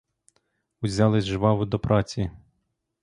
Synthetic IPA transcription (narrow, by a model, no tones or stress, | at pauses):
ʊzʲɑlˠɪzʲʒʋɑwʊd̪ɔpɾɑt͡sʲi